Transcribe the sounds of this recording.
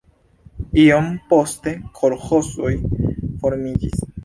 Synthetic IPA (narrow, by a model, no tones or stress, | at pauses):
iompo̞ste̞kʰo̞ɾxosojfo̞ɾmid͡ʒḭs